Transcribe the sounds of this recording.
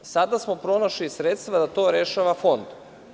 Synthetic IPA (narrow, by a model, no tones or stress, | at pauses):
sad̪asmo̞pɾo̞noʃlisɾet̪st̪ʋad̪at̪o̞ːɾeʃaʋafo̞nd̪